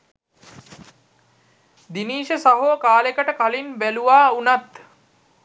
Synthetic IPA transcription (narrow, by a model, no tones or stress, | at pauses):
d̪iniːʃəsaɦokaːlekəʈəkalinbæluʋaːunat̪